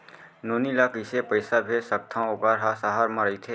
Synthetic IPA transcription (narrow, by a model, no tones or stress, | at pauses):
noːnilakisepəɪsabʱesək̚t̪ʰãoːkaɾɦasaɦaɾməɾit̪ʰeː